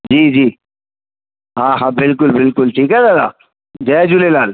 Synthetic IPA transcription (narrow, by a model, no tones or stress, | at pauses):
d͡ʒiːd͡ʒiː | ɦãːɦãːbɪlk̬ʊlbɪlkʊlʈʰiːkɦɛːd̪ad̪a̰ː | d͡ʒɛːd͡ʒʊlelaːl